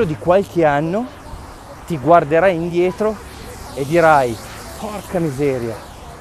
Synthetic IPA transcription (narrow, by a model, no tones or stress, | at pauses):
od̪ikwalk̟eanːo | t̪iɡward̪eɾajind̪jɛːt̪ɾo | ed̪iɾaj | pʰɔrkamizɛːɾja̰